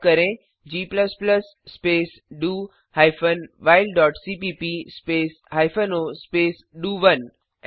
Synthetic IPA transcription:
kəɾẽ | d͡ʑiːpləspləsːpeːs | ɖuː | hajfʰənʋaːɪlɖɔːʈsiːpipispeːs | haːjfʰənospeːs | ɖuːʋən

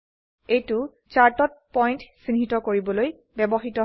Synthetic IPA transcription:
ejtʊ | t͡ʃaɹtɔt̚pɔjntsinɦitɔkoɹibɔloj | bɛbɔxitɔ

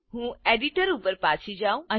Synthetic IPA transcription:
ɦũːeɖiʈəɾupəɾpaːt͡ʃʰid͡ʒaũə̃

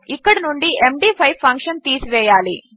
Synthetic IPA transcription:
ikːɐɽɐnuɳɖiʔemɖiːpʰɐjpʰːɐŋkʂɐnt̪iːsiʋɛːjaːlḭ

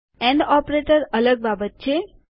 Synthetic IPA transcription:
ɛ̃ɳɖɔpɾeʈəɾələɡ̚babət̪̚t͡ʃʰe

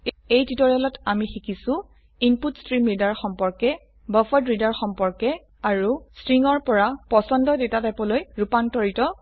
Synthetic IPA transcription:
ejtitɔɹɛlɔtamixikisʊ̃ | inputstɹimɹidaɹxɔmpɔɹkɛ | bɔfɔdɹidaɹxɔmpɔɹkɛ | aɹustɹiŋɔɹpɔɹapɔsɔndɔdetatapɔlojɹupantɔɹitɔ

